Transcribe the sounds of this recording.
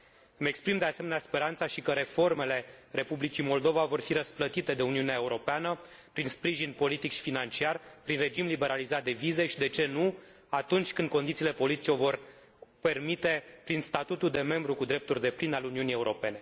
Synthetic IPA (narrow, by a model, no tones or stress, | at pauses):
ɨme̞kspɾimd̪ease̞meneaspe̞ɾant̪saʃikəɾe̞fo̞rme̞le̞re̞publit͡ʃimo̞ld̪o̞vavo̞rfiɾəsplət̪it̪e̞d̪e̞uniuneae̞uɾo̞peanə | pɾinspɾiʒinpo̞lit̪ikʃi̥finant͡ʃiarpɾinred͡ʒimlibe̞ɾalizat̪̚d̪e̞vize̞ʃid̪e̞t͡ʃe̞nu | at̪unt͡ʃʲkɨnd̪̚ko̞nd̪it̪sile̞po̞lit̪it͡ʃeo̞vo̞r | pe̞rmit̪e̞pɾinst̪at̪ut̪uld̪e̞me̞mbɾukud̪ɾe̞p̚t̪urʲd̪e̞plinaleuniunije̞uɾo̞pe̞ne̞